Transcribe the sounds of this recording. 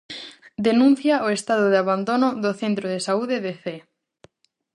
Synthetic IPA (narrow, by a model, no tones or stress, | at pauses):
d̪enũn̟θjaoest̪aðoðeaβand̪onoðoθent̪ɾoð̞esauðeðeθe